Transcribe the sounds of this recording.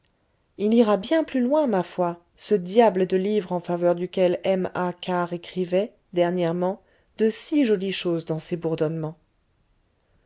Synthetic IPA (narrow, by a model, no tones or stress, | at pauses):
iliʁabjɛ̃plylwɛ̃mafwa | səd̪jabləd̪əlivʁɑ̃favœʁd̪ykʲɛlɛmakʰaʁekχivɛ | d̪ɛʁnjɛʁmɑ̃ | d̪əsiʒɔliʃozd̪ɑ̃sebuʁd̪ɔnmɑ̃